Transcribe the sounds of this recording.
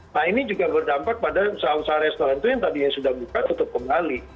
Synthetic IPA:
nainid͡ʒuɡabərdampak̚padausausaɾɛst̪oɾant̪ujaŋt̪adiasudahbukanut̪ʊp̚kəmbali

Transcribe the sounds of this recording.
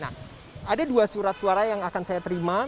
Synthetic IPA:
na̰h | adaduasuɾat̪̚suaɾajaŋakansajat̪əɾima

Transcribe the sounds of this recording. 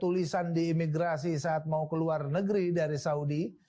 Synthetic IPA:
t̪ulisandiːmiɡɾasisaːt̪̚maukəluarnəɡɾidaɾisaudi

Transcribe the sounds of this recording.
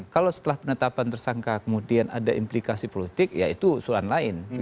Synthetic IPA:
kalowsə̥t̪əlahpənət̪apant̪ərsaŋkakəmudiana̰daʔimplikasipolit̪ɪkja̰it̪usulanlaɪn

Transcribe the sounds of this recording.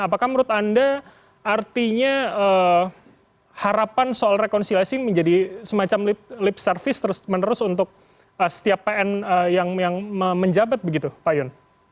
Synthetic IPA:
apakahməɾʊt̪anda | art̪iɲaə | haɾapansoalrekɔnsilasiməɲd͡ʒadisəmat͡ʃamlɪp̚lɪpsərfɪst̪əɾʊsmənəɾʊsunt̪ʊk̚ | əsə̥t̪iapːeɛnəjaŋjaŋməməɲd͡ʒabat̪̚bəɡit̪upajɔn

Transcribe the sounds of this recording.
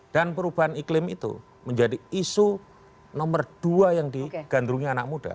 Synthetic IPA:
d̥anpəɾubaɦaniklɪmḭt̪ṵ | məɲd͡ʒadiisu | nɔmərd̥uajaŋdiɡ̥and̪ɾuŋɲaanak̚muda̰

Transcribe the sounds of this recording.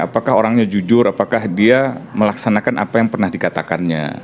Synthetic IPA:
apakaɦoɾaŋɲad͡ʒud͡ʒʊɾapakahdiaməlaksanakanʔa̰pajaŋpərnahdikat̪akanɲa̰

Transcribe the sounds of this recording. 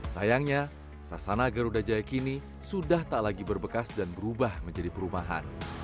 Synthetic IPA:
sa̰jaŋɲa | sasanaɡəɾudad͡ʒajakini | sudaht̪aʔlaɡibərbəkasdanbəɾubahməɲd͡ʒadipəɾumaɦa̰n

